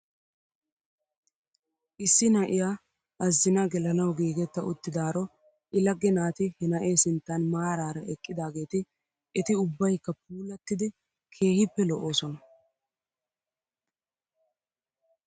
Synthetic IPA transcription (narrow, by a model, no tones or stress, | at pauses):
ʔɪsːɪnɐʔɪja | ɐzːɪnɐɡɛlɐnɐwɡiːɡɛt̪ːɐʔʊt̪ːɪd̪aːɾɔ | ʔɪlɐɡːɛnaːt̪ɪhɛnɐʔe̞ːsɪnt̪ːɐnmaːɾaːɾɐʔɛkʼːɪd̪aːɡe̞ːt̪ɪ | ɛt̪ɪʊbːɐjkːɐp̚uːlɐt̪ːɪd̪ɪ | kʰe̞ːhɪpːɛlɔʔo̞ːsɔnɐ